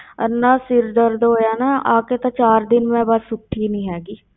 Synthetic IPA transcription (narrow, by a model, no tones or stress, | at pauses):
ə̰nːãːsɪɾd̪əɾd̪ɦoːjaːnaaːkeːt̪ãːt͡ʃaːɾd̪ɪnmɛ̃ːbasʊʈʰːiːnĩːɦɛːɡiː